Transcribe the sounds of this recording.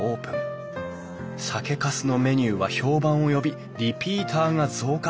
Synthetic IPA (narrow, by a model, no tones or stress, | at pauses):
o̞ːpɯ̟̃ŋ | sake̞kasɨno̞me̞ɲ̟ɨːβaço̞ːbãɰ̃o̞jo̞bʲi | ɾʲipʲiːt̪ʰaːŋazo̞ːka